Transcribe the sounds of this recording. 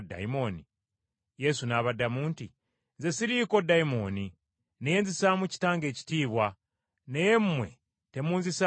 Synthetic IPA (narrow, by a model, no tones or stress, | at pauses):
da̰imo̞ni | je̞sunaːβadamuːnti | nzesiɾiːkodaimo̞ni | nejenzisaːmuci̥taːŋɡe̞ːci̥tiːβwa | nejemmwe̞̰ | temuːnzisa